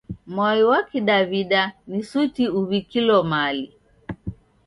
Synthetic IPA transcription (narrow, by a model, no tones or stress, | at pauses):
mwajiwakiɗaβiɗanisutiuβikilɔmali